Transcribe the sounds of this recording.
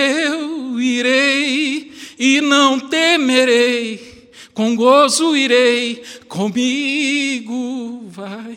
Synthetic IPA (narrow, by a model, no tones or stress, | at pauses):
ewiɾej | inɐ̃w̃t̪emeɾej | kõw̃ɡosuiɾejkõmi | ɡuvaj